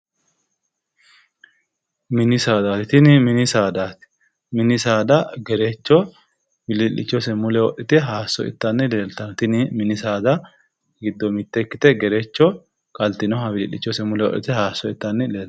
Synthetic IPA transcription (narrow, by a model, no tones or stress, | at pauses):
mɪnɪsaːd̪at̪ɪt̪ɪnɪmɪnɪsaːd̪aːt̪ɪ̥ | mɪnɪsaːd̪ɐɡɛɾɛt͡ʃːɔ | wɪlɪlːɪ̰t͡ʃːɔsɛmʊlɛwɔʔɪt̪ɛɦaːsːɔ̰ɪ̰t̪ːɐnːɛle̞ːlt̪ɐnt̪ɪnɪmɪnɪsaːd̪ɐ | ɡɪd̪ːɔmɪt̪ːɛkːɪt̪ɛɡɛɾɛt͡ʃːɔ | kʼɐlt̪ɪnɔhɐwɪlɪlːɪt͡ʃːɔsɛmʊlɛwɔ̰ʔɪ̰t̪ɛhaːsːɔɪt̪ːɐnːɛleː